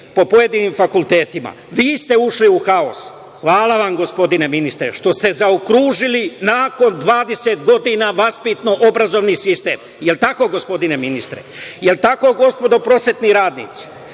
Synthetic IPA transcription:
po̞po̞je̞d̪iniːmfakulˠt̪e̞ːt̪ima̰ | ʋiːst̪e̞uʃliuxao̰s | xʋaːlˠaʋamɡo̞spo̞d̪ine̞minist̪ɾḛʃt̪o̞st̪e̞zaokɾuːʒilinaːko̞nd̪ʋaːd̪e̞se̞t̪ɡo̞d̪inaʋaspit̪noʔobɾazo̞ʋnisist̪e̞ːm | jelt̪ako̞ɡo̞spo̞d̪ine̞minist̪ɾḛjelt̪ako̞ɡo̞spo̞d̪o̞pɾo̞sʋe̞t̪niɾaːd̪nḭːt̪si̥

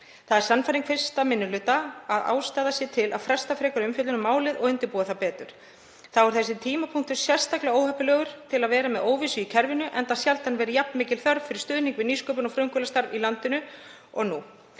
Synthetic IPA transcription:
θaðɛɾsanːfajɾiŋkfɪr̥st̪amɪnːʏlʏːt̪aaða̰ːwst̪aːðasjɛt̪ʰɪlʔa̰ðfɾɛr̥st̪afɾɛːkaɾʏmfjʏt̪ʏnʏmːaːwlɪðɔɣʏnt̪ɪɾpuːaθawpɛːt̪ʏɾ̥ | θaɔɾ̥θɛsːɪt̪ʰiːmapʰuŋk̚t̪ʏɾ̥sjɛr̥st̪aklɛɣaoːwhœpːʏlœːɣʏɾ̥t̪ʰɪlaðvɛːɾamɛðoːwvɪsʏicʰɛɾvɪnʏʔɛnt̪asjalt̪anvɛːɾɪjapnmɪːcɪlθœɾvfɪɾɪ̥st̪ʏːðniŋkvɪðniːskoːwpʏnɔfɾœŋkʏlast̪aɾvilant̪ɪnʏ | ɔɣnu

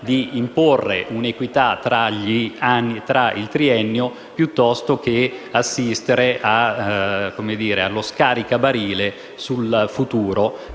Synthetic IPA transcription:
d̪iːmporːḛʔunekwit̪at̪ɾaʎianːit̪ɾaʔḭlt̪ɾiɛnːjo | pjut̪ːɔst̪ok̟easːist̪eɾeʔa | kːomed̪iːɾealːoskaːɾikabaɾiːle | sulfut̪uːɾo

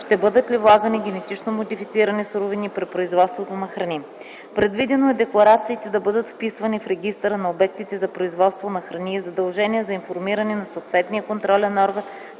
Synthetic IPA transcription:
ʃt̪ɛbɤd̪ət̪livlˠaɡəniɡʲɛnɛt̪it͡ʃnomod̪ifit̪siɾənisuɾovinipɾɛt̪̚pɾoizvɔt̪st̪vot̪onɐxɾɐni | pɾɛd̪vid̪ɛnoɛd̪ɛklˠɐɾat̪siːt̪ɛd̪ɐbɤd̪ət̪fpisvɐnifɾɛɡʲist̪əɾənɐobɛk̚t̪it̪ɛzɐpɾoizvɔt̪st̪vonɐxɾɐniɛzɐd̪ɐlˠʒɛniɛzɐinfoɾmiɾɐnɛnɐsoːt̪vɛt̪nijəkont̪ɾɔlʲɛnɔɾɡən

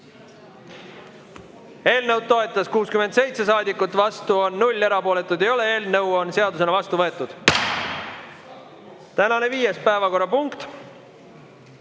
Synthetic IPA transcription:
e̞ːlnɤwd̪̚t̪o̞e̞t̪ˑːɑskuːskyme̞nd̪se̞jt̪se̞s̬ɑːd̪ikːˑut̪ːˑvɑst̪uo̞nːulʲːe̞ɾɑpo̞ːle̞t̪ːˑud̪e̞jo̞lee̞ːlnɤwo̞nse̞ɑd̪us̬e̞nɑvɑst̪uvɤ̞e̞t̪ːˑud̪̥ | t̪ænɑne̞viːjespæevɑko̞rːɑpuŋkt̪

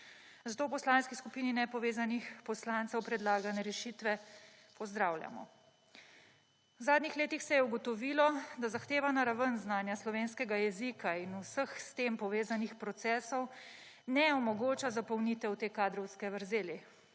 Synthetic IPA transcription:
zat̪oːwpɔslaːnskiskupiːninɛpɔʋeːzanixpɔslaːntsɛwpɾɛd̪laːɡanɛɾɛʃit̪ʋɛ | pɔzd̪ɾawlja̰mɔ̰ | wzaːd̪nixleːt̪ixsɛjɛuɡɔt̪ɔʋilɔd̪azaxt̪eːʋanaɾaʋənznaːnjaslɔʋeːnskɛɡajɛzikʰainusəxst̪eːmpɔʋeːzanixpɾɔt̪sɛːsɔw | nɛɔmɔɡoːt͡ʃazapɔwnit̪ɛwt̪eːkaːd̪ɾɔwskɛʋəɾzeːli

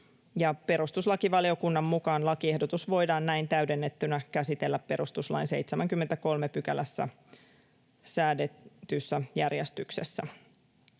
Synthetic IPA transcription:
jɑpe̞ɾust̪uslɑkiʋɑlio̞kunːɑmːukɑːnlɑkie̞hdo̞t̪usʋo̞jdɑːnnæint̪æɥde̞nːet̪ːynækæsit̪elːæppe̞ɾust̪uslɑ̰jnse̞̰jt̪semæŋkymːent̪æko̞lmepykælæsːæ̰ | sæːdet̪ysːæjærjest̪yksesːæ̰

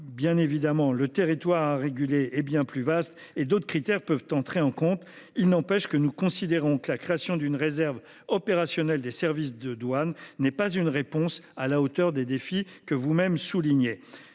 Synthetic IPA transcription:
bjɛ̃nevid̪amɑ̃lət̪eʁit̪waʁaʁeɡʲyleɛbjɛ̃plyvast̪ | ed̪ot̪χəkχit̪ɛʁpœvt̪ɑ̃t̪χeɑ̃kɔ̃t̪ | ilnɑ̃pɛʃkənukɔ̃sid̪eʁɔ̃kəlakχeasjɔ̃d̪ynʁezɛʁv | ɔpeʁasjɔnɛld̪esɛʁvis̬d̪əd̪wanːɛpazynʁepɔ̃salaot̪œʁd̪ed̪efi | kəvumɛmsuliɲe

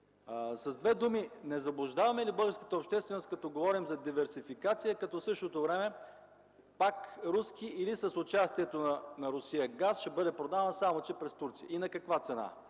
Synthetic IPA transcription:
sɐzd̪vɛd̪uminɛzɐblˠʊʒd̪avɐmɛlibɤlˠɡəɾskə̥t̪əopʃt̪ɛst̪vɛnost̪̚kɐt̪ɔɡovɔɾimzɐd̪ivɛɾsifikat̪sijəkɐt̪ɔsɤʃt̪ot̪ovɾɛmɛ | pakɾuskiilisəsʊt͡ʃast̪iɛt̪onɐnɐɾʊsijəɡasʃɛbɤd̪ɛpɾod̪ansamot͡ʃɛpɾɛst̪uɾt̪sijə̰inɐkɐkvat̪sɛna̰

